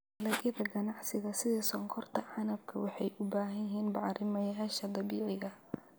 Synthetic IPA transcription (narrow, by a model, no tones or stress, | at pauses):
lɐʔɪðɐɡɐnɑʕsɪɣɐsɪðɛsɔŋkʰɔrt̪ʰɐʕɑnɐb̚kʰɐwɑħɑjʔʊbaːɦɐjɦiːnbɑʕɾɪmɐjaːʃɐd̪ɑβiːʕɪɣɐ